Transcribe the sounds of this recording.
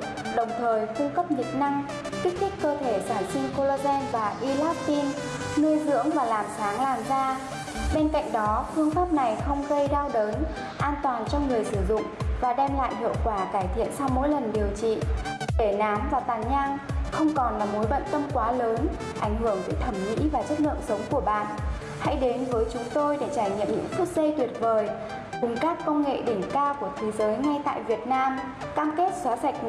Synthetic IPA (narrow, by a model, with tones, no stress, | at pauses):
ɗə˨˩wŋ͡mt̪ʰəː˨˩jfɨ˧əŋkə˦˥p̚ɲḭ˧˨na˧ŋ | ki˦˥k̟̚t̪ʰï˦˥k̚kəː˧t̪ʰe˧˩saː˧˩nsï˧ŋko˧lo˧zɛ˧nvaː˨˩ʔi˧laː˦˥p̚t̪i˧n | nɨ˧jzɨ̰˧˥əŋvaː˨˩laː˨˩msaː˨˦ŋlaː˨˩mzaː˧ | ɓe˧nka̰˧˨jŋ̟ɗɔ˨˦fɨ˧əŋfaː˦˥p̚na˨˩jxə˧wŋ͡mɣə˧jɗaː˧wɗəː˨˦n | ʔaː˧nt̪waː˨˩nt͡ɕɔ˧wŋ͡mŋɨ˨˩əjsɨ˧˩zʊ̰˧˨ŋ͡mvaː˨˩ɗɛ˧mla̰ː˧˨jɦḭ˧˨əwkwaː˧˩kaː˧˩jt̪ʰḭ˧˨ənsa˧wmo̰˧˥jlə˨˩nɗi˨˩əwt͡ɕḭ˧˨ɗe˧˩naː˨˦mvaː˨˩t̪aː˨˩ɲaː˧ŋxə˧wŋ͡mkɔ˨˩nlaː˨˩mo˨˦jɓə̰˧˨nt̪ə˧mkwaː˨˦ləː˨˦n | ʔa˧˩jŋ̟hɨ˧˩əŋve˧˩jt̪ʰə˧˩mŋḭ˧˥vaː˨˩t͡ɕə˦˥t̚lɨ̰˧˨əŋsə˨˦wŋ͡mku˧˩əɓa̰ː˧˨n | ha̰˧˥jɗe˨˦nvəː˨˦jt͡ɕʊ˨˦ŋ͡mt̪o˧jɗe˧˩t͡ɕaː˧˩jɲə̰˧˨mɲɨ̰˧˥ŋt̪ʰk̚zə˧jt̪wi˨˩ət̚vəː˨˩j | kʊ˨˩ŋ͡mkaː˦˥kːə˧wŋ͡mŋḛ˧˨ɗï˧˩ŋ̟kaː˧wku˧˩ət̪ʰe˨˦zəː˨˦jŋa˧jt̪a̰ː˧˨jvi˨˩ət̚naː˧m | kaː˧mke˦˥t̚swaː˨˦sa˨˩jk̟̚